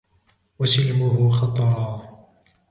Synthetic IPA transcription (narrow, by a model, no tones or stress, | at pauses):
wasɪlmʊhʊxɑt̪ˤɾˤɑː